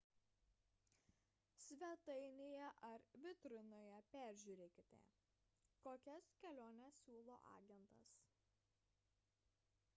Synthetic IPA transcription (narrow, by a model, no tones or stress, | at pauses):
sʲʋʲɛt̪ɐɪnʲeːjɛʔɐɾʋʲɪt̪ɾʊnoːjɛpʲæːˑɾʲʒʲuːɾʲeːkʲɪt̪ʲɛ̰ | koːkʲɛskʲɛlʲoːnʲɛsːʲuːlˠo̰ːʔɑ̰ːɡʲɛnt̪ɐ̰s